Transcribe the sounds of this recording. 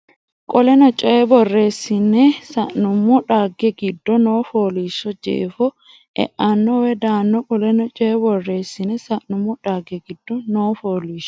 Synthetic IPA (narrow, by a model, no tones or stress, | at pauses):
kʼɔlɛnɔt͡ʃʼɔɛbɔrːe̞ːsːɪnɛsɐʔnʊmːɔᶑaːɡːɛɡɪd̪ːɔnoːfoːliːʃːɔd͡ʒḛːfɔ | ʔɛ̰ʔanːɔwɛd̪aːnːɔkʼɔlɛnɔt͡ʃʼɔɛbɔrːe̞ːsːɪnɛsɐʔnʊmːɔᶑaːɡɛɡɪd̪̥ːɔnoːfoːliːʃɔ̥